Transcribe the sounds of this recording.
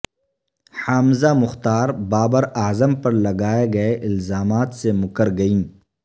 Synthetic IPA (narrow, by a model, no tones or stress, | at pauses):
haːmzamʊxt̪aːɾbaːbəɾaːzəmpɐɾlɐɡaːeɡɐeʔɪlzaːmaːt̪semʊkəɾɡɐĩː